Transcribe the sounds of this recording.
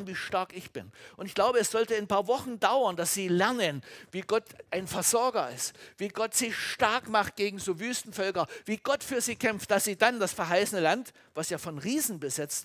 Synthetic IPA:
nviːʃtaɐkɪçb̥ɪ̰nʔʊntɪçɡ̥laʊbəɛsz̥ɔltəanpaːɐvɔχn̩daʊɐnd̥asz̥iːlɛɐnənviːɡɔtʔaɪnfɛɐz̥ɔɐɡɐɪstv̥iːɡɔtz̥ɪʃtaɐkmaχt̚ɡ̥eːɡŋ̩zoːvyːstn̩fœlkɐviːɡ̥ɔtfyːɐziːkʰɛmftd̥asz̥iːdand̥asfɛɐɦaɪsənəlant | vasjaːfɔnʁiːzn̩bəzɪt͡st

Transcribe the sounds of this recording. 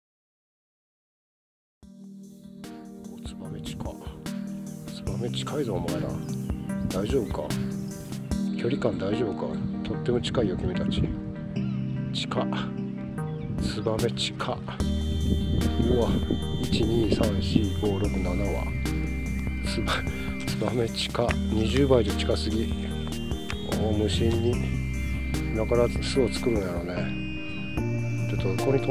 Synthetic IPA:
ot͡sɨ̥bame̞t͡ɕi̥kʰa | sɨ̥bame̞t͡ɕi̥kʰaizoːmaed̪a̰ | d̪̥aiʑo̞ːbɯ̟ka̰ | kʲo̞ɾʲikãnd̪aiʑo̞ːbɯkat̪ʰo̞t̪ːe̞mo̞t͡ɕi̥kaijokɯmit̪at͡ɕi | t͡ɕi̥ka | sɨbame̞t͡ɕi̥kʰa | uait͡ɕiɲ̟iːsãɰ̃ɕiːɡo̞ːɾo̞kɯ̟nanaβa̰ | sɨba | sɨbame̞t͡ɕi̥kaɲiʑɨːbaid̪ot͡ɕi̥kasɨɡʲi | oːmɯ̟ɕĩɲːi | nakaɾaɨsɨot͡sɨ̥kɯ̟ɾɯ̟̃njaɾo̞ne̞ | tot̪ːokoɾɲit̪

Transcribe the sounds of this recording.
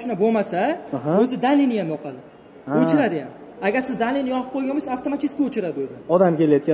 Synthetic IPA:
ʃnabomasaɵzɪd̪anlinɪjamjɒqʰɑd̪ɪ | ɵt͡ʃʰɪɾad̪ɪja̰m | aɡʲaɾsɪzd̪anlinjɒqʰɨp̚qʰojɡʲanbojsaft̪ʰomat͡ʃ̪iskʲiɵt͡ʃʰɪɾad̪ɪɵzɪɒd̪amkʲʰelajɒt̪kʲa

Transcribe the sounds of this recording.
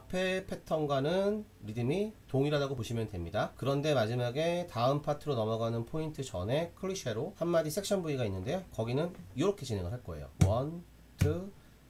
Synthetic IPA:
apʰe̞pʰe̞tʰʌnɡwanɯn | ɾidɯmitoŋiɾadaɡopoɕʰimjʌntwe̞mɲidakɯɾʌnde̞mad͡ʑimaɡe̞taɯmpʰatʰɯɾonʌmʌɡanɯnpʰointʰɯt͡ɕʌne̞kʰɯɭiɕʰeɾohamːadisʰe̞k̚ɕ͈ʰʌnbuiɡainːɯnde̞kʌɡinɯnjoɾokʰe̞t͡ɕinɦe̞ŋɯɭɦaɭk͈ʌe̞̰jo̰wʌn | tʰɯ

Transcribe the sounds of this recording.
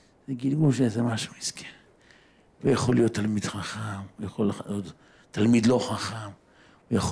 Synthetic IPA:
z̥eɡilɡulʃezemaʃu̥iskʰe | vejaχolijot̪ːalmid̪χaχamjaχolot̪ː | almid̪lo̞χaχam | ujaχ

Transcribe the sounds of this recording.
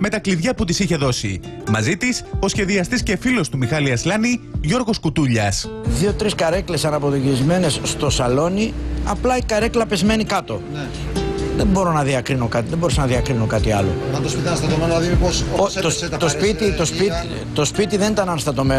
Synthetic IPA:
me̞t̪ɐkliðʝɐput̪isiçe̞ðo̞simɐzit̪iso̞sçe̞ðiɐst̪isce̞filo̞st̪umixɐliɐslɐniʝo̞ɾɣo̞skut̪uʎɐsðio̞t̪ɾiskɐɾe̞kle̞sɐnɐpo̞ðocizme̞ne̞sst̪o̞sɐlo̞niɐplɐikɐɾe̞klɐpe̞zme̞nikɐt̪o̞ | ðembo̞ɾo̞nɐðiɐkɾino̞kɐt̪iðemboɾisɐnɐðiɐkɾinokɐt̪iɐlo̞̰t̪osit̪ɐst̪ɐt̪omenonɐðiniposoot̪ospit̪it̪osi | t̪o̞spit̪iðenit̪ɐnɐnst̪ɐt̪o̞me

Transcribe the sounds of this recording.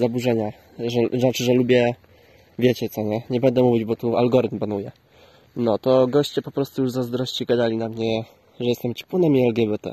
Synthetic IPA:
zabuʐɛɲa | ʐɛʐat͡ʂɘʐɛlubʲjɛ | vʲjet͡ɕɛt̪sɔɲɛɲɛbɛnd̪ɛmuvʲid͡ʑbɔt̪ualɡɔɾɘt̪mpanujɛ | nɔt̪ɔɡɔɕt͡ɕɛpɔpɾɔst̪ujuʐzazd̪ɾɔɕt͡ɕiɡad̪alʲinamɲɛ | ʐɛjɛst̪ɛmt͡ɕɛ̥punɛmiɛlɡʲjɛbɛt̪ɛ̰

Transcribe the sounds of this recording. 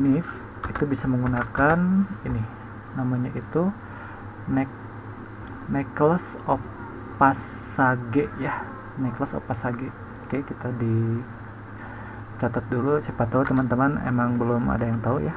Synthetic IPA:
nɪf | it̪ubisaməŋɡunakaninɪh | namaɲaʔit̪u | nɛk | neklas | o | pas | aɡɛʔjah | nɛklaso̰pasaɡɛʔ | okekit̪adi | t͡ʃat̪at̪̚dulusipat̪ːaut̪əmant̪əmanḛmaŋbəlʊma̰dajaŋt̪auja

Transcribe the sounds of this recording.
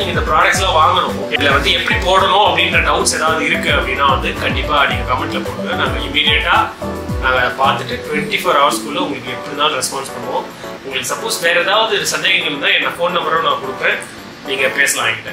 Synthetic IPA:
iŋɪnd̪ɐpɪɾaːɽɐkʈslãːʋaːŋɡɐɳʊ̃ | ɛlɐʋɐnd̪ɯɛpːɐɽipoːɽɐnʊ̃ɐpːɐɽɪndɾɐɖɐʊʈseːðaːʋɐðɯɪɾɯkːɯɐpːɐɽinːaːʋɐnd̪ɯkɐɳɖɪpːaːɐniːŋɡɐkɐmɛɳʈlɐpoːʈːɯnaːŋɡɐɪmiːɾɪjɛʈːaːnãːŋɡɐpaːɾt̪ɯʈːɯʈʊʋɛɳʈifoːɾɐʋɐɾskulːɯʊ̃ŋɡɐɭɯkːɯɛpːɐɽit̪ãːlɾɛspaːnspɐɳːɐʋõ | ʊŋɡɐɭɯkːsɐpːoːsʋeːɾɐðaːʋɐðɯɪɾɯsɐnd̪eːɣɐŋɡɐɭɯt̪ãːɛnːɐfoːnːɐmɐɾɐ̃nãːkɔɽɯkːɯɾẽː | niːŋɡɐpeːsɐlãːɪŋɡɪʈːẽ

